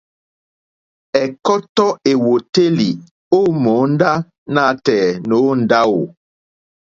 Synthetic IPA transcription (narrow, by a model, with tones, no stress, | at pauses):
ɛ˨kɔ˦tɔ˦e˨wo˨te˦li˨ | o˦mo˨˦n̩˦da˦ | na˦tɛ˨no˨˦n̩˨da˦wo˨